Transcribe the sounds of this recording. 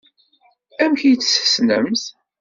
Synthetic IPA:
æmçijt͡sːsə̥snə̰mθ

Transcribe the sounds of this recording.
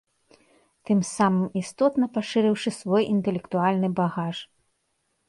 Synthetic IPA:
t̪ɨmsamɨmist̪ɔt̪nɐpaʂɨɾɨwʂɨsvɔjʔint̪ɛlʲɛkt̪ualʲnɨbaɣaʂ

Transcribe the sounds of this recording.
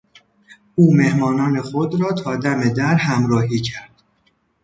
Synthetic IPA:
uːme̞hmɒːnɒːne̞xod̪ɾɒːt̪ʰɒːd̪æme̞d̪æɾhæmɾɒːɦiːcʰæɾd̪̥

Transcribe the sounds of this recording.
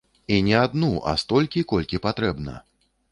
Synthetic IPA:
inʲɛad̪nuʔa̰st̪ɔlʲkʲikɔlʲkʲipat̪ɾɛbnɐ̰

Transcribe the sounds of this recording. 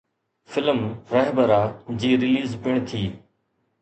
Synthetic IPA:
fɪləmɾəɦbəɾaːd͡ʑiːɾɪliːzpɪɳ̃t̪ʰiː

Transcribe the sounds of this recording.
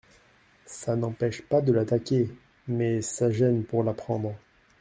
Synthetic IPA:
sanɑ̃pɛʃpad̪əlat̪akʲe | mɛsaʒɛnpuʁlapχɑ̃d̪ʁə

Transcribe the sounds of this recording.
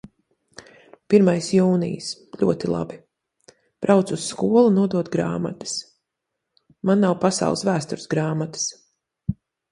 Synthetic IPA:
piɾmajsjuːnḭjsʎʲṵɔt̪ilˠa̰bi | b̥ɾawt̪susːkuɔlˠunuɔd̪uɔt̪ɡɾa̰ːma̰t̪ə̥s | manːawpasa̰ʊlˠsvæːst̪uɾsɡɾaːmat̪ə̥s

